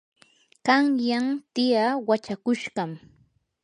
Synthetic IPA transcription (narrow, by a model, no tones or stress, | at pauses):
kɑŋjamt̪ɪjawat͡ʃakʊʃɢɑm